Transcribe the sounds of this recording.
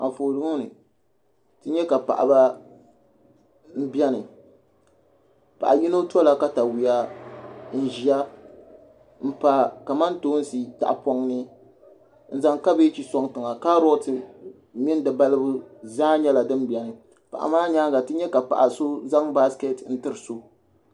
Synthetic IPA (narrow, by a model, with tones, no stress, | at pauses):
a̰˨foː˨lɨ˦nɨ̰˨ | tɨ˦ɲɛ˦ka˨pa̰˨ʔa̰˨ba˦ | m̩˦bi˦ɛ˦nɨ˨ | pa̰˨ʔa˨ji˦no˦tɔ˦la˨ka˦ta˨wi˨a˦ | n̩˦˨ʒi˨a˦ | m̩˦pa˨ka˨ma˦nto˦n˦si˨ta̰˨ʔa˨pɔ˦ŋnɨ˦ | n̩˨za˨ŋka˦be˦t͡ʃi˨sɔ˦ŋtɨ˨ŋa˨ka˦ɾo˦tɨ˨˦ | mɪ˦n˦dɨ˨ba˦lɨ˦bʊ˦zaː˦ɲɛ˦la˨dɨ˦m˦bi˨ɛ˨nɨ˨ | pa̰˨ʔa̰˨maː˦ɲaː˦ɡa˨tɨ˦ɲɛ˦ka˨pa̰˨ʔa˨so˦za˦ŋba˦ske˦tn̩˦tɨ˦ɾɨ˨so˦